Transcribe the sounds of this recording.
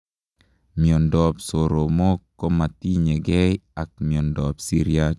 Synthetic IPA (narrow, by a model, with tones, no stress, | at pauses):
miɔ˨ndɔ˨psoɾo˨mo˦kːo˦ma˨t̪i˦ɲe˨ɡɛ˦ja˨k̚miɔ˨ndɔpsi˦ɾia